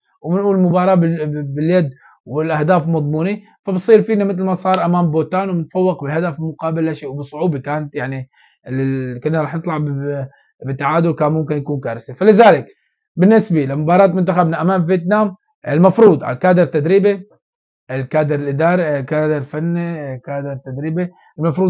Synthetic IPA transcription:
wmɪnʔuːlmʊbɑːɾˤɑːbɪbɪljad̪ | wɪlʔahd̪aːflmɑd̪ˤmuːni | fabsˤiːɾfiːnamɪt̪lmasˤɑːɾˤʔamaːmboːt̪aːnwɪnfawːɪqbɪɦad̪afmʊqɑːbɪlːaʃeːwbɨsˤʊʕuːbikaːnat̪jaʕni | kʊnːaɾˤɑːħnɨt̪ˤlɑʕb | bɪt̪ːaʕaːd̪ʊlkaːmmʊmkɪnjakuːnkaːɾɪsafalɪzaːlɪk | bɪnːɪsbilamʊbɑːɾˤɑːt̪mʊnt̪axabnaʔamaːmvjet̪naːm | ɪlmafɾuːd̪ˤʕa̰lakaːd̪ɪɾt̪ːad̪ɾiːbi | ʔɪlkaːd̪ɪɾɪlʔɪd̪ɑːɾikaːd̪ɪɾfanːikaːd̪ɪɾt̪ːad̪ɾiːbi | ɪlmafɾˤuː

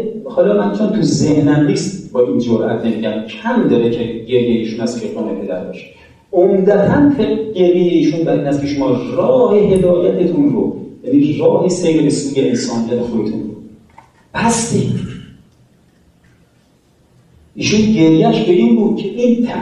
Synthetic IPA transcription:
hɒlɒmænosæmt̪ʰuzehnæmniːst̪bɒːʔind͡ʒoɾʔæ̰t̪ʰne̞miːd̪æmcʰæmd̪ɒːɾecʰeɟe̞ɾjejeiːʃunæst̪kʰeoːnepʰe̞d̪æ̰ɾbɒ̰ʃe̥ | omd̪æt̪ʰænt̪ʰeɟe̞ɾjejeiːʃunbæɾiːnhæst̪̚kʰeʃomɒːrɒːhe̞ɦe̞d̪ɒːjæt̪ʰe̞t̪ʰunɾo̰jæniːrɒːhesejɾebesuːjeensɒːnijæt̪ʰexod̪et̪ʰṵnɾo | b̥æst̪i | ʔiːʃunɟe̞ɾjæʃbeʔiːnbuːd̪̥̚cʰeʔiːnt̪ʰæ

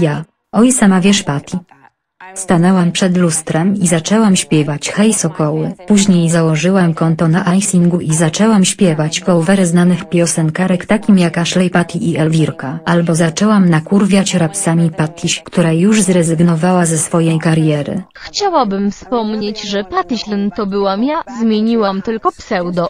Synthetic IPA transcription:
ja | ɔjsɛmavʲjɛʂpat̪ʲʰi | st̪anɛwampʂɛd̪lust̪ɾɛmizat͡ʂɛwamɕpʲjɛvat͡ɕxɛjsɔkɔwɘpuʑɲejzawɔʐɘwamkɔnt̪ɔnaʔajsiŋɡuʔizat͡ʂɛwamɕpʲjɛvat͡ɕkɔwvɛɾɛznanɘxpʲjɔsɛŋkaɾɛkt̪akʲimjakaʂlɛjpat̪ʲiʔiɛlvʲiɾkaalbɔzat͡ʂɛwamnakuɾvʲjat͡ɕɾapsamʲipat̪ʰʲiɕkt̪uɾajuʐzɾɛzɘɡnɔvawazɛsfɔjɛjkaɾjɛɾɘ̰ | xt͡ɕawabɘmfspɔmɲed͡ʑʐɛpat̪ʲiɕlʲɛnt̪ɔbɘwamjazmʲjeɲiwamt̪ɘlkɔpsɛwd̪ɔ

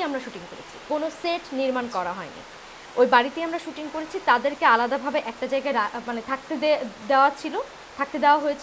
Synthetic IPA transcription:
amɾaʃuʈiŋkoɾḛt͡ɕʰi̥konoseʈniɾmankɔɾaɦɔenḭ | ojbaɽit̪eamɾaʃuʈiŋkoɾet͡ɕʰit̪ad̪eɾkealad̪abʱabeʔɛk̚ʈad͡ʑaeɡaeɾamanet̪ʰak̚t̪ed̪eoat͡ɕʰilo | t̪ʰak̚t̪ed̪eoaɦojet͡ɕʰ

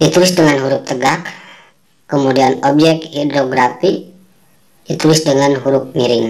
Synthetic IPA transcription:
jat̪ulɪsdəŋanɦuɾʊp̚t̪əɡak | kəmudianɔb̚d͡ʒɛk̪̚hidɾoɡɾapi | jat̪ulɪsdəŋanɦuɾʊp̚miɾɪŋ

